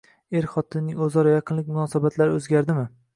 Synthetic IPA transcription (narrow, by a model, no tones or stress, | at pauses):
e̞ɾχɒt̪ʰɪnnːɪŋɵzɒɾɒjɑqʰɨnlɪk̚ʲmʊnɒsabat̪ʰlaɾɪɵzɡʲaɾd̪ɪmɪ